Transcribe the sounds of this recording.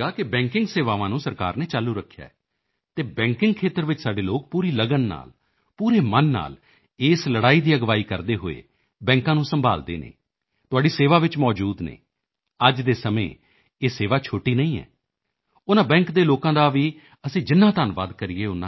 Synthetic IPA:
aːkɪbɛ̃ːŋkɪ̃ŋɡseːʋaːʋãːnũːsəɾka̰ːɾneːt͡ʃaːlːuːɾəkʰːja̰ːɛ | t̪eːbɛ̃ːŋkɪŋɡ̚kʰeːt̪əɾʋɪt͡ʃsaːɖeːloːk̚puːɾiːləɡənːa̰ːl | puːɾeːmənːa̰ːl | eːsləɽaːiːd̪iːəɡʋaːiːkəɾd̪eːɦo̰ːḛː | bɛ̃ːŋkãːnũːsəmbʱa̰ːld̪ḛːnḛː | t̪ʊaːɖiːseːʋaːʋɪt͡ʃmɔːd͡ʒuːd̪nḛ̃ː | əd͡ʒd̪eːsəmḛ̃ː | eːseːʋaːt͡ʃʰoːʈiːnəĩːɛ̰ː | ʊnãːbɛ̃ːŋkd̪eːloːkãːd̪aːʋiː | əsĩːd͡ʒɪnːãːt̪aːnʋa̰ːd̪kəɾiːeːʊnã̰

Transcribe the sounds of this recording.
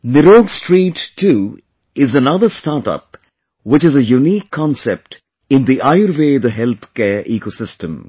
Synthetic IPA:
nɪɾoːɡsʈɾiːʈʰːuː | ɪzənʌd̪əstaɾʈʌ̰p | wɪt͡ʃɪzəjuniːkʰːɔ̃nsɛp̚ʈ | ɪ̃nd̪iʔaɪəɾʋeːd̪əɦɛlt̪ʰkɛːɾʔiːkosɪstə̃m

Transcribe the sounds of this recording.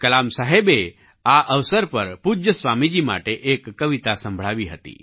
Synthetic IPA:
kɐlaːmsaːɦebe | aʔəʋsəɾpəɾpud͡ʒjəsʋaːmid͡ʒima̰ːʈeʔekːəʋit̪asə̃mbʱɭ̤aːʋiɦət̪ḭ

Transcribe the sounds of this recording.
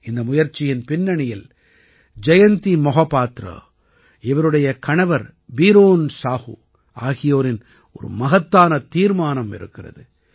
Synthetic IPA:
ɪnd̪ɐmʊjɐɾt͡ʃːɪjɪnpɪnːɐɳɪjɪl | d͡ʒɐjɐnt̪imɔɣɐpːaːt̪ɾɐ̰ | ɪʋɐɾɯɽɐjɐkɐɳɐʋɐɾ | biːɾoːnsaːhṵ | ʔaːɣɪjoːɾɪn | ɔ̰ɾɯ̰mɐɣɐt̪ːaːnɐt̪iːɾmaːnɐmɪ̰ɾɯ̰kːɪrɐ̰ðɯ

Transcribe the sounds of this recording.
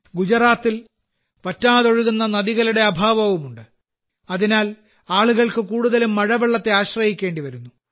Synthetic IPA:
ɡud͡ʑɐɾaːt̪ːil | pɐtːaːðo̞ɻuɣunːɐnɐðiɣɐluɽe̞ɐbʱaːʋɐʋumuɳɖɨ | ɐðinaːl | aːɭuɣɐɭkɨkuːɽuðɐlumːɐɻɐʋeɭːɐt̪ːe̞aːɕrɐhikʲːe̞ːɳɖiʋɐɾunːu

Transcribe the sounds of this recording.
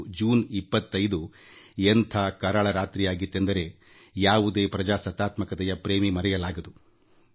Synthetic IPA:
d͡ʒuːnipːɐt̪ːɐjd̪u | ent̪ʰakɐɾɐɭɐɾaːt̪ɾijaːɡit̪ːend̪ɐɾe̞ | jaːʋud̪e̞ːpɾɐd͡ʒaːsɐt̪aːt̪mɐkɐt̪ɛjɐpɾeːmimɐɾɛjɐlaːɡɐd̪u

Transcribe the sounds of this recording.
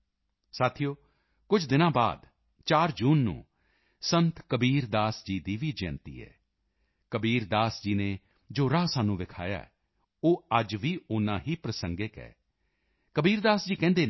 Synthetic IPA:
saːt̪ʰijoː | kʊd͡ʒd̪ɪnãːba̰ːd̪ | t͡ʃaːɾd͡ʒuːnːṵ̃ː | sənt̪kəbiːɾd̪aːsd͡ʒiːd̪iːʋiːd͡ʒɛ̰ːnt̪ḭːɛ̰ː | kəbiːɾd̪aːsd͡ʒiːneː | d͡ʒoːɾaːsaːnũːʋɪkʰa̰ːja̰ːɛ | oːəd͡ʒʋiːʊnãːɦiːpɾəsəŋɡeːkɛ̰ː | kəbiːɾd̪aːsd͡ʒiːkɛ̃ːnd̪eː

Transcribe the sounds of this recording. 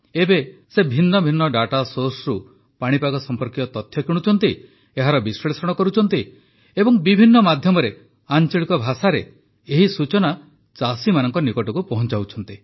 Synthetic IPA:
ebesebʱinːɔbʱinːɔɖaʈasosɾu | paɽ̃ipaɡɔsɔmpɔɾkit̪ɔt̪ɔt̪ʰjɔkʰiɽ̃ut͡ʃʰɔnt̪i | eɦaɾɔbiswɔɭesɔɽ̃ɔkɔɾut͡ʃʰɔnt̪i | ebɔŋbibʱinːɔmad̪ʱjɔmɔɾe | ant͡ʃɔɭikɔbʱasaɾe | eɦisut͡ʃɔna | t͡ʃasimanɔŋkɔnikɔʈɔkupɔɦɔnt͡ʃawt͡ʃʰɔnt̪i

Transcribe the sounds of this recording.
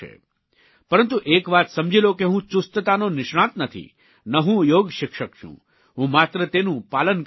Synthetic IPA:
ḛ | pəɾənt̪uʔekʋat̪səmd͡ʒʱilokeɦũt͡ʃʊst̪ət̪anonɪʃɽ̃ãt̪nət̪ʰḭ | nəɦũjoɡʃɪkʃəkt͡ʃʰṵ̃ | ɦũmat̪ɾət̪enũpalən

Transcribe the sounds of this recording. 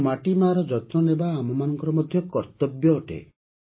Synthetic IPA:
maʈimaːɾɔd͡ʒɔt̪nɔnebaːmɔmanɔŋkɔɾɔmɔd̪ʱjɔkɔɾt̪ɔbjɔːʈḛ

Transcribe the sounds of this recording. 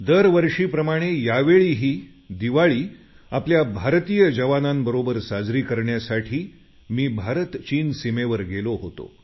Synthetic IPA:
d̪əɾʋəɾʂiːpɾəmaɽ̃ejaʋeɭiɦiː | d̪iʋaɭiː | apljabʱaɾt̪ijəd͡ʑəʋanambəɾobəɾsad͡zɾiːkəɾɳjasaʈʰiː | miːbʱaɾət̪t͡ɕiːnsimeʋəɾɡeloɦot̪o̰

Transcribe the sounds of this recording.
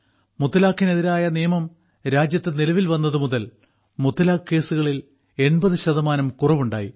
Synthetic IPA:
mut̪ːɐlaːkʰːine̞ðiɾaːjɐnijɐmɐm | ɾaːd͡ʑjɐt̪ːɨnilɐʋilʋɐnːɐðɨmuðɐl | mut̪ːɐlaːkːe̞ːsuɣɐɭil | e̞ɳbɐðɨɕɐðɐmaːnɐmkurɐʋuɳɖa̰ːji

